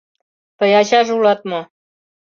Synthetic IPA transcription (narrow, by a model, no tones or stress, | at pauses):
pəjɑɕɑʒulɑt̪̚mo